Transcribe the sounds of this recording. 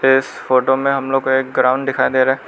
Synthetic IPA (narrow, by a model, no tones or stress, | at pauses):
ɪsfoːʈomẽɦɐmloːɡkoeːk̚ɡɾãːʊ̃ɳɖɖɪkʰaːed̪eːɾaɛː